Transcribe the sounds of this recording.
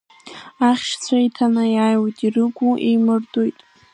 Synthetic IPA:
aχʲʃt͡sʷʰaitʰanajajwatʼirɨɡʷuʔḛjmɨrtʼojtʼ

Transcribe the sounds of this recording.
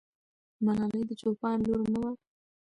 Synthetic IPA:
manɑləjd̪ət͡ʃopɑnloɾnəwa

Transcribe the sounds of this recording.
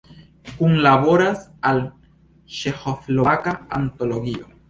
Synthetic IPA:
kunlaβoɾasal | ʃexofloakaant̪oloɡio

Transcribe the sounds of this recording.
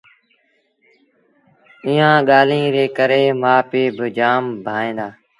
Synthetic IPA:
iːãːɠaːlĩːɾeːkəɾeːmãːpeːbɪd͡ʒaːmbʱaːẽːnd̪aː

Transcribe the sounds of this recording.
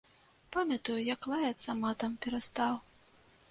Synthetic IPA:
pamʲɐt̪ujujaklˠajɐt̪sɐmat̪ɐmpʲɛɾɐst̪aw

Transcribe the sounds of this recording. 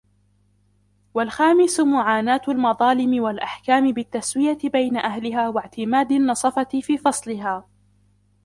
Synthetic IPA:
walxaːmɪsʊmʊʕaːnaːt̪almɑðˤɑːlɪmɪwalʔaħkaːmɪbɪt̪ːaswɪjabajnaʔahlɪɦaːwaʕt̪ɪmaːd̪anːɑsˤɑfɑt̪fiːfɑsˤlɪɦaː

